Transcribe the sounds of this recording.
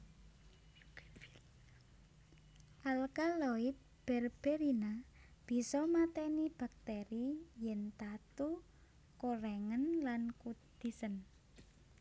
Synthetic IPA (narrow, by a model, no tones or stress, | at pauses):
ʔalkaloit̪̚b̥ɛrb̥ɛɾina | b̥i̤sɔmat̪ɛnib̥a̤k̚t̪eɾijɛnt̪at̪u | koɾɛŋənlankud̪̥i̤sən